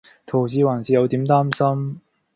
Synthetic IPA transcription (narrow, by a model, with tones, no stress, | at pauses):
t̪ʰo˨˩wt͡siː˧waː˨˩nsiː˨jɐ˨˧wt̪iː˨˥mt̪aː˥msɐ˥m